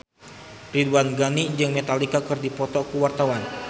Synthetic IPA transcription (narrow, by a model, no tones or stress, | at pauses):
riduanɡanid͡ʒɨŋmet̪alikakɨrdipɔt̪ɔkuwart̪awan